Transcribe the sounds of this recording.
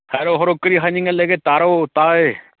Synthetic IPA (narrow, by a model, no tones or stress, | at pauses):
hɛɾoɦoɾoːkəɾiːɦaɲiŋaleɡet̪aːɾot̪aːe